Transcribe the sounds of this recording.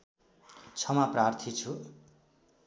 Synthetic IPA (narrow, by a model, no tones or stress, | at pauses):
t͡sʰʌmaprart̪ʰit͡sʰu